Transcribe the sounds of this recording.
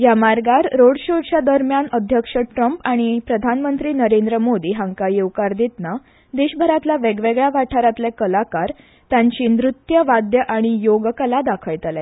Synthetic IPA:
jamaɾɡaɾɾoɽɕoʈt͡ɕjad̪əɾmjanəd̪ʱjəkʂəʈɾəmpaɽ̃ipɾəd̪ʱanmənt̪ɾiːnəɾend̪ɾəmod̪iːɦãŋkajewkaɾd̪et̪na | d̪eɕbʱəɾat̪laʋeɡʋeɡɭaʋaʈʰaɾat̪lɛkəlakaɾ | t̪jãɲt͡ɕiːnɾut̪jəʋad̪jəʔaɽ̃ijoɡkəlad̪akʰəjt̪əlɛ

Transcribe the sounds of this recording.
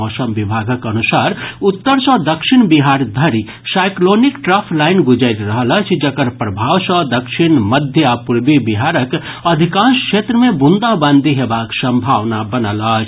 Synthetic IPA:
ɔsəmbibʱaɡəkənusaɾut̪ːəɾsə̃d̪əkʃinbiɦaɾd̪ʱəɾi | sajklonikʈɾapʰlaɪnɡud͡ʒəjt̪ɾəɦələt͡ʃʰd͡ʒəkəɾpɾəbʱaʋsə̃d̪əkʃinməd̪ʱjəapuɾbibiɦaɾəkəd̪ʱikãnskʃʰet̪ɾəmẽbund̪abənd̪ʱiɦebaksə̃mbʱaʋnabənələt͡ʃʰ

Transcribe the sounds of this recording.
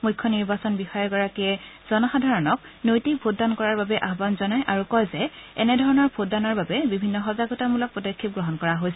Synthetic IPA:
mujkʰːɔniɹbasɔnbixɔjɔɹɡɔɹakiɛz̥ɔnɔxadʱaɹɔnɔk̚ | nojtik̚pʰudankɔɹaɹbabɛʔaɦbanzɔnajʔaɹukɔjzɛɛ̰nɛdʱɔɹɔnɔɹbʰʱodanaɹbabɛbibʱinːɔxɔzaɡɔtamulɔk̚pɔdokʰːip̚ɡɹɔɦɔnkɔɹaɦojsɛ

